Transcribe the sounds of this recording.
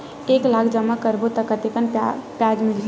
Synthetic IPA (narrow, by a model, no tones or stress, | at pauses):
eklakʰd͡ʒəmːakəɾbot̪əkət̪ekənpjad͡ʒmil